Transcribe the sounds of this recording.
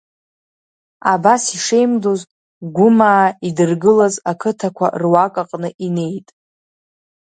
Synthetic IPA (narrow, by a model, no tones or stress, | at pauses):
abasiʂe̞jmdoz | ɡʷʊmaːidɨrɡɨlazakʰɨtʰakʷʰa̰rwakʼaqʼnɨʔine̞jtʼ